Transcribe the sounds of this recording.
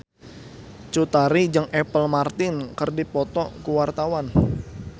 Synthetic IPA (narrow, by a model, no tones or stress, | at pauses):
t͡ʃut̪aɾid͡ʒəŋɛpəlmart̪ɪnkərdipɔt̪ɔkuwart̪awan